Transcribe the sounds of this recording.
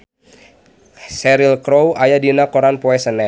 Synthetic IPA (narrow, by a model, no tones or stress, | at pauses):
sɛɾilkɾowajadinakoɾanpɔɛsənɛ